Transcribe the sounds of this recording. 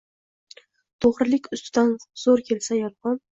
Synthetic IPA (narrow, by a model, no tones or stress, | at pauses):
t̪ʰoʁɾɪlɪkʲʊst̪ʰɪd̪anz̥oɾkʲʰe̞lsajɒɾˠqɒn